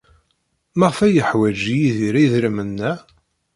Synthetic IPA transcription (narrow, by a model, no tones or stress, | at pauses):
maʁfæjəħwæd͡ʒijiðiɾæjðɾimənːæ